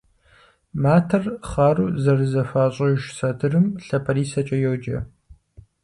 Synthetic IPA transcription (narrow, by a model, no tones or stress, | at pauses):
maːtʰɐrχaːruːzɐrɨzɐfaːɕʼɐʒsɐdʰɨrɨmɬɐpʰɐriːsɐt͡ʃʼɐjowd͡ʒɐ